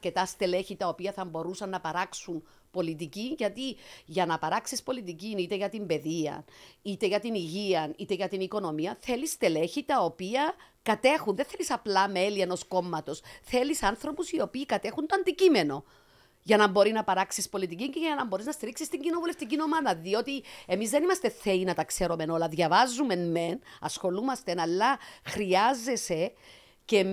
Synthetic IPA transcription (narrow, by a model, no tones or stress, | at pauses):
ce̞t̪ɐst̪e̞le̞çit̪ɐo̞piɐθɐmbo̞ɾusɐnːɐpɐɾɐksun | po̞lit̪̬iciʝɐt̪iʝɐnɐpɐɾɐksispo̞lit̪icinit̪eʝɐt̪imbe̞ðiɐ̰nit̪e̞ʝɐt̪iniʝiɐnit̪e̞ʝɐt̪iniko̞no̞miɐθe̞list̪e̞le̞çit̪ɐo̞piɐkɐt̪e̞xunðenθelisɐplɐme̞lie̞no̞sko̞mːɐt̪o̞sθe̞lisɐnθɾo̞pusio̞piːkɐt̪e̞xunt̪oɐnd̪icime̞no̞ | ʝɐnɐmbo̞ɾinɐpɐɾaksispo̞lit̪iciɲɟeʝɐnɐmbo̞ɾiznɐst̪iɾiksist̪iɲɟino̞vuleft̪icino̞mɐðɐðio̞t̪ie̞mizðe̞nimɐst̪e̞θe̞inɐt̪ɐkse̞ɾo̞me̞no̞lɐðʝɐvɐzːume̞nme̞nɐsxo̞lumɐst̪enɐlːɐxɾiɐzːe̞se̞ | ce